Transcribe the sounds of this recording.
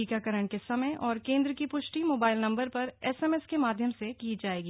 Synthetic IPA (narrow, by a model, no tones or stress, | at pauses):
iːkakɐɾəɽ̃kesɐməjʔɔːɾkẽːnd̪ɾəkipʊʃʈimoːbaːɪlnɐ̃mbəɾpɐɾɛːsɛːmɛskemaːd̪ʱjəmsekiːd͡ʒaːeːɡiː